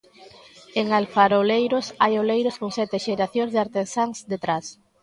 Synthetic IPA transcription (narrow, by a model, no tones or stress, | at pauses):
eŋalfaɾolejɾosajolejɾoskoŋsɛt̪eʃeɾaθjõŋzðeaɾt̪ensaŋzd̪et̪ɾas